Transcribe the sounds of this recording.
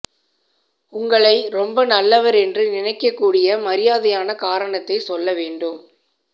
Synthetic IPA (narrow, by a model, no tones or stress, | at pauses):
ʊŋɡɐɭɐɪɾɔmbɐnɐlːɐʋɐɾɛndrɯnɪnɐɪkːɐkːuːɽɪjɐmɐɾɪjaːðɐjaːnɐkaːɾɐɳɐt̪ːɐɪsɔlːɐʋeːɳɖɯm